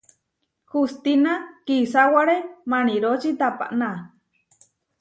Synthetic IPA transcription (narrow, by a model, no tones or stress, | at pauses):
hust̪inakisawaɾemañiɾot͡ʃit̪apa̰ʔna